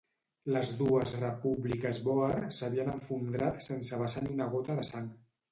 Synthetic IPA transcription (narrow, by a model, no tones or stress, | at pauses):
ləzðuəzrəpuβlikəzβɔersəβiənəɱfund̪ɾat̪sensəβəsaniunəɣ̞ot̪əðəsaŋ